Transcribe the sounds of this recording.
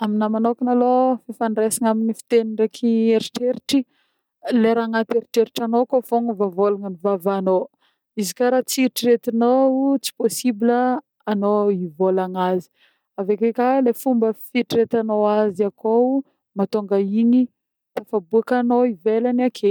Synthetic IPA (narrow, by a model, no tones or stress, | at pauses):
aminamanokinalofefanresiŋaminifi̥t̪enirekʰieɾiʈ͡ʂeɾiʈ͡ʂi | leɾaŋat̪eɾiʈ͡ʂeɾiʈ͡ʂanokofoŋəvavolaŋənivavano | izikaɾat͡siɾiʈ͡ʂiɾet̪inout͡si̥posibiləː | noivolaŋazi̥ | avekekalefumbəfiʈ͡ʂiɾet̪anoaziako | mat̪oŋɡaini | t̪afabuakanoivelanakʰe